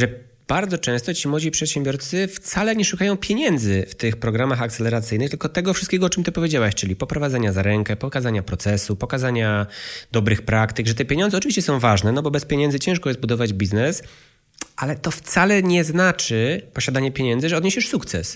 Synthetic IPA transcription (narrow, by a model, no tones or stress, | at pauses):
ʐɛ | b̥aɾd̪zɔt͡ʂɛ̃w̃st̪ɔt͡ɕimwɔd͡ʑipʂɛt̪ɕɛmbʲjɔɾt̪sɘft̪salɛɲɛʂukajɔ̃w̃pʲjeɲɛnd̪zɘft̪ɘxpɾɔɡɾamaxak̚t̪sɛlɛɾat̪sɘjnɘxt̪lkɔt̪ɛɡɔfʂɨst̪̚kʲɛɡɔɔt͡ʂɘmt̪ɪpɔvʲjed͡ʑawɛɕt͡ʂɘlʲipɔpɾɔvad̪zaɲazaɾɛŋkɛpɔkazaɲapɾɔt̪sɛsupɔkazaɲad̪ɔbɾɘxpɾakt̪ɘɡʐɛt̪ɛpʲjeɲɔnzɛɔt͡ʂɨvʲiɕt͡ɕɛsɔ̃w̃vaʐnɛnɔbɔbɛspʲjeɲɛnzɘt͡ɕɛ̃w̃ʂkɔjɛsbud̪ɔvad͡ʑbʲiznɛs | ʔalɛt̪ɔft̪salɛɲɛznat͡ʂɘpɔɕad̪aɲɛpʲjeɲɛnd̪zɘʐɛɔd̪ɲeɕɛʂsukt̪sɛ̰s